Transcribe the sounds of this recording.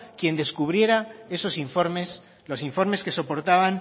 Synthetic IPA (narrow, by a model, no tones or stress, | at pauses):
kje̞nd̪e̞skuβ̞ɾje̞ɾae̞so̞siɱfoɾmes | lo̞siɱfo̞ɾme̞ske̞so̞po̞ɾt̪aβaŋ